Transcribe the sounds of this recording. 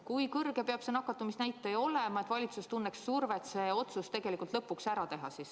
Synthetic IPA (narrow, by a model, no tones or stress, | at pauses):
kujkɤrɡ̥e̞peɑb̥senɑkːˑɑt̪ːˑumisnæjt̪ːˑejo̞lemɑet̪vɑlʲit̪sust̪unːeksːurve̞t̪se̞o̞t̪sust̪e̞ɡ̥e̞likːˑult̪lɤpːˑuksæɾɑt̪e̞ɦɑsis